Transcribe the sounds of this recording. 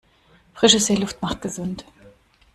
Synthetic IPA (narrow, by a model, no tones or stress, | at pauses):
fʁ̥ɪʃəseːlʊftmaχt̚ɡ̥əzʊnt